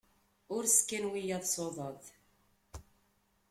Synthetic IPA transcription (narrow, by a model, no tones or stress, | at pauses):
ʊɾskːənwijæðˤsˤoðˤəð